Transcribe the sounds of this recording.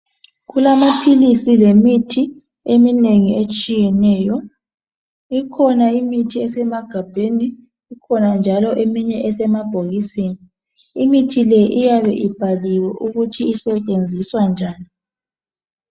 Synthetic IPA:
ɣulamapʰilisilemitʰi | emineŋiet͡ʃʼijɛnɛːjɔ | ikʰɔnaimitʰiɛsɛmaɡ̥ʱab̥ʱeniː | kʰɔnand͡ʒʱalɔʔemiɲɛʔɛsɛmab̥ʱoɣisini | imitʰilɛʔijaβɛʔib̥ʱaliwɛʔuɣutʰiːsɛt͡ʃʼend͡zʱiswand͡ʒʱaːni

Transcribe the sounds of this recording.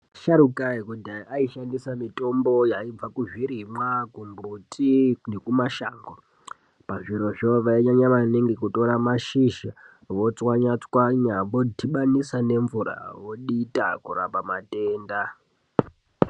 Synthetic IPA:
ʃaɾukaikudaaiʃandisamito̞mbo̞jaib͡vakuʐiɾimwakumbutʰinekumaʃaːŋɡo | paʐiɾo̞ʐoʋaiɲaɲaʋaneŋɡekuto̞ɾamaʃiʃa | ʋo̞t͡swaɲat͡swaɲaʋo̞dʱiɓanisane̞ɱvuɾa̰ʋo̞ɗita̰kura̰pamate̞ːnda

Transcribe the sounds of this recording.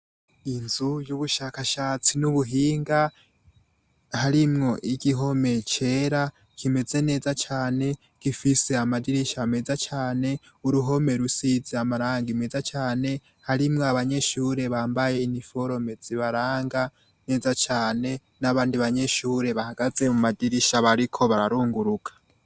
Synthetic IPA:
inzujuβuʃakaʃaːt͡sinuβuɦiːŋɡa | haɾimŋo̞ʔiɡiɦo̞me̞t͡ʃe̞ɾa | kʰime̞ze̞ne̞ːzat͡ʃaːne̞ | ɡ̥ifise̞amadiɾiʃame̞zat͡ʃaːne̞ | uɾuɦo̞me̞ɾusizeamaɾaːŋɡime̞zat͡ʃaːne̞ | haɾimŋoaβaɲe̞ʃuːɾe̞βaːmbaje̞inifo̞ɾo̞me̞d͡z̥iβaɾaːŋɡa | ne̞zat͡ʃaːne̞ | naβaːndiβaɲe̞ʃuɾe̞βahaɡaze̞mumadiɾiʃaβaɾikʰo̞βaɾaɾuːŋɡuɾukʰḁ

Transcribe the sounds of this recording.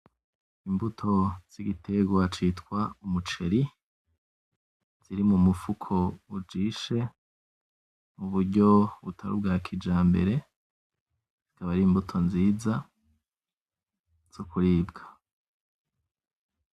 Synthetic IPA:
imbutʰo̞z̥iɡitʰe̞ɡwat͡ʃitkwaumut͡ʃe̞ɾi | z̥iɾimumufukʰo̞ud͡ʒiːʃe̞ | muβuɾɟo̞βutʰaɾṵb̚ɡaːɾakʰid͡ʒaːmbe̞̰ɾe̞ | zz̥ikaβaɾiːmbutʰo̞nziːza | z̥okuɾiːbɡḁ

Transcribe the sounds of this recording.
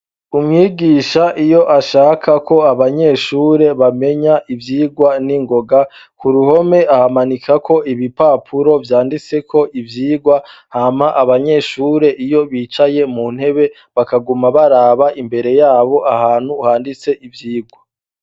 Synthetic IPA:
umŋiːɡiːʃaʔijo̞ʔaʃaːkʰakʰo̞aβaɲe̞ʃuːɾe̞βame̞ɲaʔivjiːɡwaniŋɡo̞ɡa | kuɾuho̞me̞ʔahamanikʰakʰo̞iβipaːpʰuɾo̞vjaːndit͡se̞kʰo̞ʔivjiːɡwahamhaʔaβaɲe̞ːʃuːɾe̞ʔijo̞βiːt͡ʃaje̞mun̥he̞βe̞ | βakaɡumaβaɾaβaʔimbe̞ɾe̞jaːβo̞ʔahaːn̥huhaːndit͡se̞ʔivjiːɡwa

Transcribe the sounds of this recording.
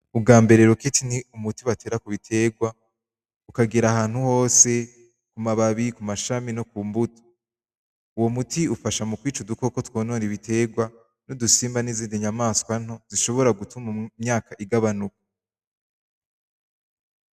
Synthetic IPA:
ub̚ɡaːmbe̞ɾe̞ɾoketiniumutiβatʰe̞ːɾakuβitʰe̞ɡwa | ukaɡiɾahaːn̥huho̞ːse̞ | kumaβaβikumaʃaminokuːmbuto̥ | uwo̞mutʰiufaʃamukwiːt͡ʃuduko̞kotwo̞ːnoːniβite̞ɡwa | nudusiːmbaniziːndiɲamaːskwan̥hoz̥iʃo̞βo̞ɾaɡutumumɲaːkaʔiɡaβanuko̥

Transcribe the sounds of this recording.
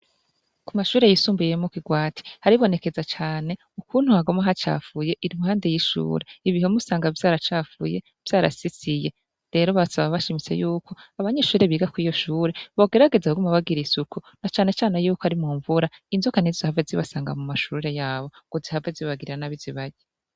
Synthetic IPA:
kumaʃuːɾe̞jisuːmbujemokiɡwaːtʰi̥haɾiβo̞ne̞ke̞zat͡ʃaːne̞ | ukuːn̥huhaɡo̞maɦat͡ʃa̰fuje̞ʔiɾimuhaːnde̞jiʃṵːɾe̞iβihomusaːŋɡavjaːɾat͡ʃaːfṵje̞ | v̥jaːɾa̰sisije̞ | ɾe̞ːɾo̞βasaβaβaʃimit͡se̞̰juːkʰo̞aβaɲe̞ːʃuːɾe̞βiːɡakwiːjo̞ʃuːɾe̞βoɡe̞ɾaɡe̞zaɡumaβaɡiɾisukʰunat͡ʃaːne̞t͡ʃaːne̞juːkohaɾimuːɱvuɾainzokanizzihavɡeziβasaːŋɡa̰mumaʃuːɾe̞jaːβo̞ɡ̥ozihavɡeziβaɡiɾiɾanaβiziβaɟe

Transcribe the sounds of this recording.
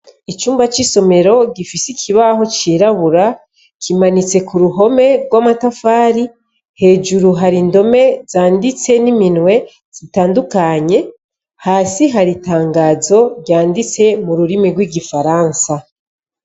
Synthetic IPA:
it͡ʃuːmbat͡ʃiso̞me̞ɾo̞ɡifisikʰiβaɦo̞t͡ʃiːɾaβuɾa | kʰimanit͡se̞kuɾuɦo̞me̞ɡwamatafaːɾi | he̞ːd͡ʒuɾuɦaɾindo̞me̞z̥aːndit͡se̞niminwe̞ | z̥itaːndukaɲe̞ | haːsiɦaɾitaːŋɡaːzo̞ɾjaːndit͡se̞muɾuɾimiɡwiːɡifaɾaːnsa

